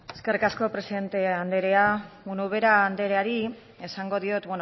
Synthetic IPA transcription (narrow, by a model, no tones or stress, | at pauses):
e̞skerikasko̞pɾe̞siðe̞nt̪e̞and̪e̞ɾe̞aunuβe̞ɾaːnd̪e̞ɾe̞aɾi | e̞saŋɡo̞ðio̞t̪bwen